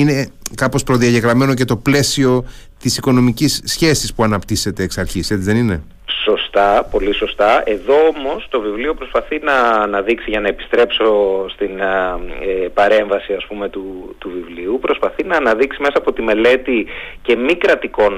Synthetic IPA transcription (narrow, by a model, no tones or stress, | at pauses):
ine̞kɐpo̞spɾo̞ðiɐʝe̞ɣɾɐme̞no̞ce̞t̪o̞ple̞sio̞ | t̪isiko̞no̞micisçe̞sispuɐnɐpt̪ise̞t̪e̞ːksɐɾçise̞t͡sizðe̞nine̞ | so̞st̪ɐpo̞liso̞st̪ɐe̞ðo̞omo̞st̪o̞vivlio̞pɾo̞spɐθinɐːnɐðiksiʝɐnɐepi̥st̪ɾe̞pso̞st̪in | epɐɾe̞ɱvɐsiɐspume̞t̪ut̪uvivliupɾo̞spɐθinɐːnɐðiksimesɐːpo̞t̪ime̞le̞t̪ice̞mikɾɐt̪iko̞n